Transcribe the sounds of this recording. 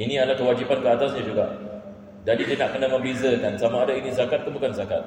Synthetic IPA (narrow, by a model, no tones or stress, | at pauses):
inialakəwad͡ʒipankəat̪asɲad͡ʒuɡa | dadid̪inakənaməmbizəkansamaːdainizakat̪̚kəbukanzaka̰t̪̚